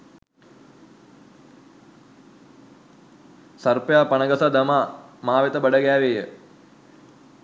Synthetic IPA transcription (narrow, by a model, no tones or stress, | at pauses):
sɐrpjaːpanəɡəsad̪ɐmaːmaːʋet̪əbəɖəɡæːʋejə